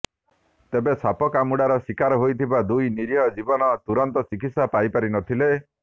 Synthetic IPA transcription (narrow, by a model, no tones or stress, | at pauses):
t̪ebesapɔkamuɽaɾɔsikaɾɔɦojt̪ʰibad̪ujniɾɦɔd͡ʒibɔnɔt̪uɾɔnt̪ɔsikit̪sapajpaɾinɔt̪ʰile